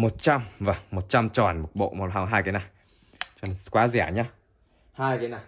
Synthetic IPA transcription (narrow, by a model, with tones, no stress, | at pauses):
mo˨˩t̚t͡ɕa˧mvaː˨˩ŋmo˨˩t̚t͡ɕa˧mt͡ɕɔ˨˩nmo˨˩t̚ɓo̰˧˨mo˨˩t̚ɦa˧ɦaː˧jka˨˦na˨˩j | t͡ɕɔ˨˩n˦kwaː˨˦zɛ˧˩˨ɲa˧˦ | haː˧jka˨˦na˨˩j